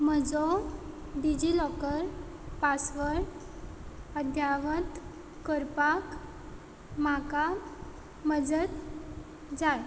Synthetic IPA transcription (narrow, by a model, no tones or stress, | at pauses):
məd͡zɔ | ɖid͡ʑilɔkəɾ | pasʋəɭ | əd̪ʱjaʋət̪ | kəɾpak | maka | məd͡zət̪ | d͡zaj